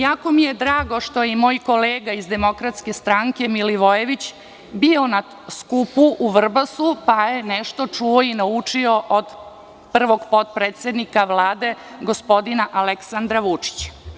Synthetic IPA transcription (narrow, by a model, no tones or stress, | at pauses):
jaːko̞mije̞d̪ɾaːɡo̞ʃt̪o̞jemo̞ːjkoleːɡaizd̪e̞mo̞kɾat̪ske̞st̪ɾaŋke̞miliʋo̞je̞ʋit͡ɕ | bio̞na | skupuʔuʋr̩basupaje̞nɛʃt̪o̞t͡ʂuoinaut͡ʂio̞ʔod̪ | pr̩ʋo̞ɡpo̞t̪̚pɾeːt̪sʲed̪nikaʋlaːd̪e̞ | ɡo̞spo̞d̪inaʔaleksand̪ɾaʋut͡ʂi̥t͡ɕ